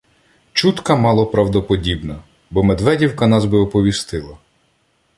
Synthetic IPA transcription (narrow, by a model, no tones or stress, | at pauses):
t͡ʃut̪kɐmɑlˠɔpɾɑwd̪ɔpɔdʲibnɐ | bɔmed̪ʋɛdʲiwkɐnɑzbɪɔpɔʋʲist̪ɪlˠɐ